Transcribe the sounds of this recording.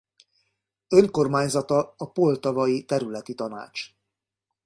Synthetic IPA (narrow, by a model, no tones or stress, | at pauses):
ø̞ŋko̞rmaːɲzɒt̪ɒːpo̞lt̪ɒvɒjit̪ɛɾylɛt̪it̪ɒna̰ːt͡ʃ